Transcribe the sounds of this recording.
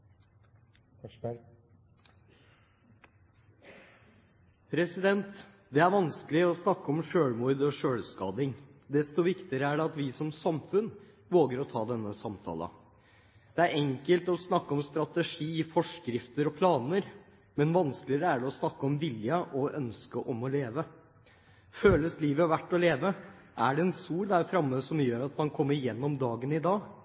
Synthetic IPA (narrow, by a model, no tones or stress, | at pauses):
pʰɾɛsɪd̪ɛnt̪ | d̪ɛæɾʋɑnskəlɪɔsnɑkːəɔmʂøːɽmuɾd̪ɔʂøːlskɑ̰ːd̪ɪŋd̪ɛst̪ʊʋɪkt̪ɪəɾəæɖɛɑt̪ʋɪsɔmsɑmfʉn | ʋoːɡəɾɔt̪ʰɑːd̪ɛnːəsɑmt̪ʰɑ̰ːlə̰ | d̪̥ɛæɾɛŋkəlt̪ɔsnɑkːəɔmst̪ɾɑt̪əʂiːfɔʂkɾɪft̪əɾɔpʰlɑːnəɾ | mɛnʋɑnskəlɪəɾəæɖɛɔsnɑkːəɔmʋɪljəʔɔʔœnskəʔɔmɔleːʋə | føːləsliːʋəʋæʈːɔleːʋəʔæɖɛɛnsuːɾd̪æɾfɾɑmːəsɔmjøːɾɑt̪mɑnkʰɔmːəɾɪjɛnːɔmd̪ɑːɡənɪd̪ɑːɡ